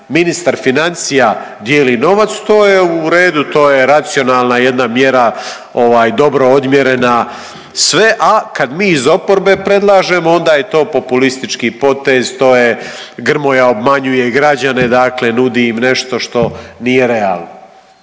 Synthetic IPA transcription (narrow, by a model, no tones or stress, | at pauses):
minist̪aɾfinansija | d̪je̞ːlino̞ʋat̪st̪o̞ːjeuɾe̞ːd̪ut̪o̞ːje̞ɾat̪sio̞naːlˠnaje̞d̪namje̞ɾa | o̞ʋaːjd̪o̞bɾo̞od̪mje̞ɾe̞na | sʋe̞ʔakad̪miːizo̞po̞ɾbe̞pɾe̞d̪lˠaːʒe̞moo̞nd̪aːje̞t̪o̞ːpo̞pulist̪it͡ʃkipo̞t̪e̞zt̪o̞ːje | ɡr̩mo̞jao̞bmaɲujeɡɾad͡ʑane̞d̪aːkle̞nud̪iːmne̞ʃt̪o̞ʃt̪o̞nije̞ɾe̞a̰ːlˠno